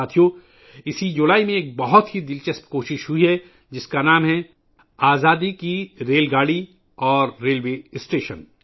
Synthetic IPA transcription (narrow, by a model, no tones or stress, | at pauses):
aːt̪ʰijo | ɪsid͡ʒʊlaːimẽːk̚bɐɦʊt̪ɦid̪ɪlt͡ʃɐspkoːʃɪʃɦʊiɦɛ | d͡ʒɪskanaːmɦɛ | aːzaːd̪ikiɾeːlɡaːɽi | ɔːɾːeːlʋeːsʈeːʃən